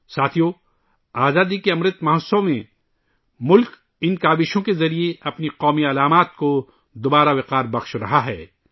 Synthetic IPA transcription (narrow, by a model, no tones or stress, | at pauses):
saːt̪ʰijo | aːzaːd̪ikeɐmɾət̪mɐɦəsõmẽ | mʊlk | ɪnkaːbɪʃõkezɐɾieɐpniqɔːmiɐlaːmaːt̪̚ko | d̪obaːɾaʋɪqaːɾbɐxʃɾɐɦaɦɛ̰ː